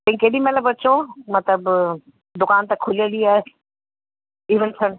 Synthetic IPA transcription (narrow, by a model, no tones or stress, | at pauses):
t̪ɐ̃ĩkeːɗimɛləbɐt͡ʃomɐt̪ləb | d̪ʊkaːnt̪ɐkʰʊliəliaː | iːʋənt̪ʰɐɽ̃